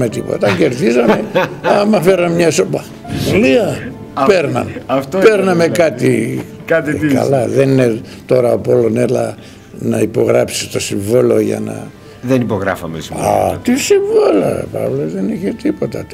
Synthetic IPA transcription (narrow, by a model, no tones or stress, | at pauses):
me̞t̪ipo̞̰t̪ɐce̞ɾðizɐmeɐmɐfeɾɐmmɲɐsopɐ | oliɐ | peɾnɐ̰nɐft̪peɾnɐme̞kɐt̪ḭ | kɐt̪ikɐ̰lɐðenine | t̪o̞ɾɐopo̞lonelɐ | nɐipo̞ɣɾɐpsi̥st̪o̞siɱvolo̞ʝɐ̰nɐ̰ | ðenipoɣɾɐfɐmesiɐ̰t̪isiɱvolɐ̰pɐ̰vlozðe̞niçet̪ipo̞t̪ɐ